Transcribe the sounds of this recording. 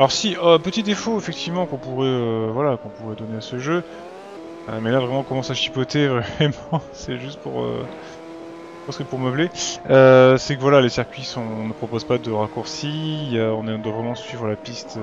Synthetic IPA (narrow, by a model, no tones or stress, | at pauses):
alɔʁsiɔpət̪id̪efoefɛk̚t̪ʰivmɑ̃kɔ̃puʁɛøvwalakɔ̃puʁɛd̪ɔneasəʒø | ø̰mɛlavʁɛmɑ̃kɔmɑ̃saʃi̥pɔt̪evʁɛmɑ̃sɛʒyst̪̚puʁø̰ | pɑskɛpuʁməbleøsɛkəvwalalesiʁkʲɥisɔ̃nəpχɔpozpad̪əʁakuʁsiøɔ̃nɛ̃d̪wavʁɛmɑ̃sɥivʁəlapist̪